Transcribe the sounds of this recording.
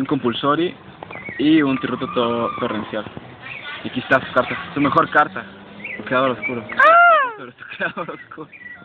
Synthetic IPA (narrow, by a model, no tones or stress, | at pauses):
uŋko̞mpulsoɾi | iunt̪irut̪ot̪ot̪orensjal | iakist̪asu̥kaɾt̪asume̞xo̞ɾkaɾt̪a | sukɾeaðoɾoskuɾopeɾosu̥kɾeaðoɾoskuɾo